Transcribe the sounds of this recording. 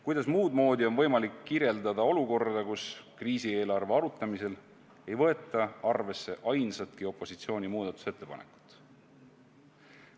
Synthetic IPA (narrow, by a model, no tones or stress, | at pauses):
kujd̪̥ɑsmuːd̪mo̞ːd̪ʲio̞nvɤ̞jmɑlikːirje̞ld̪̥ɑd̪ɑo̞luko̞rd̪ɑkuskriːsie̞ːlɑrve̞ɑɾut̪ˑːɑmise̞l | e̞jvɤ̞e̞t̪ːˑɑɑrve̞sːe̞ʔɑjnsɑt̪kio̞pːˑo̞sit̪sio̞ːnʲimuːd̪̥ɑt̪ːˑu̥set̪ːepɑ̰nḛkˑu̥t̪ːˑ